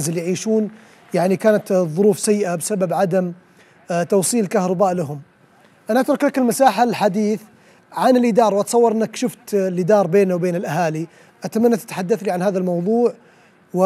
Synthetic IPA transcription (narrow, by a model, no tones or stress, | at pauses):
zɪljʕiːʃuːn | jaʕnikaːnat̪ðˤʊɾuːfsajːɪʔabsababʕad̪am | t̪ɑwsˤiːlkahɾˤɑbaːʔlaɦʊm | ʔanaʔat̪ɾʊklakɪlmasaːħalħad̪iːθ | ʕanɪlʔɪd̪ɑːɾˤwʔɑt̪sˤɑwːɑɾˤʔɪnːakʃʊft̪lʔɪd̪ɑːɾˤbeːnawbeːnɪlʔaɦaːli | ʔat̪amanːat̪ḁt̪ḁħad̪ːaθliʕanhaːðalmɑwðˤuːʕ | wɪ